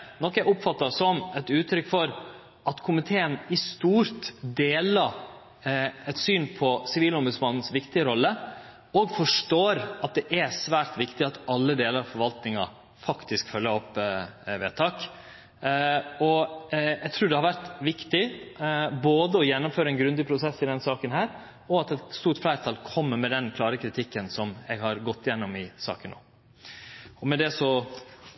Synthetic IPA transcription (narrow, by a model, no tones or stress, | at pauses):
nɔkːæʊpfɑt̪ːɑsɔmɛt̪ʉːt̪ʰɾʏkːfɔɾ | ʔɑt̪kʰʊmɪt̪ʰeːənɪst̪uːɾt̪d̪eːlɑ | ɛt̪syːnpʰɔsɪʋiːlɔmbʉd̪smɑnːn̩sʋɪkt̪ɪəɾɔlːə | ɔɡfɔʂʈoːɾɑt̪̚d̪ɛʔæsʋæːɾt̪ʋɪkt̪ɪɑt̪ɑlːəd̪eːləɾɑfɔɾʋɑlt̪nɪŋɑ̰ | fɑkt̪ɪskfœlːəɾɔpːʋeːt̪ʰɑːk | ɔjæɡt̪ʰɾʉːɖ̪ɛhɑɾʋæɾt̪ʋɪkt̪ɪ | boːd̪əɔjɛnːʊmføːɾəɛnɡɾʉnd̪ɪpʰɾʊsɛsɪd̪ɛnsɑːkənɦæːɾ | ɔɑt̪ɛt̪t̪st̪uːɾʈflæɪɾt̪ʰɑlkʰɔmːəɾmɛd̪ɛnkʰlɑːɾəkʰɾɪt̪ʰɪkːənsɔmɛ̰ɡhɑɾɡɔt̪ːɪjɛnːɔmɪsɑ̰ːkənːo̰ː | ɔmɛd̪ɛsɔ